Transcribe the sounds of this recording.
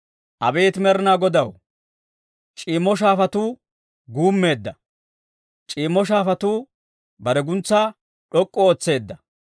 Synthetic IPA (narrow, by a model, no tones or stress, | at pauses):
ʔɐbeːt̪mɛɾnaːɡɔd̪ɐw | t͡ʃʼiːmːɔʃ̬aːfɐt̪uː | ɡuːmːe̞ːd̪ːɐ | t͡ʃʼiːmːɔʃ̬aːfɐt̪uː | bɐɾɛɡʊnt͡sːaː | ɗɔkʼːɔoːt͡sːe̞ːd̪ːɐ